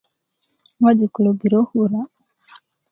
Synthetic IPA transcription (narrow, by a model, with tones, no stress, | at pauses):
wa˦d͡ʒi˨ku˨lɔ˨bi˨ɾɔ˦huɾa